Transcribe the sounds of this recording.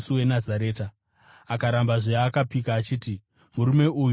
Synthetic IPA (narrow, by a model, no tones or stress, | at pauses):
suwe̞nazaɾe̞ːta | akaɾambaʐeakapikaːt͡ʃiːti | muɾume̞uj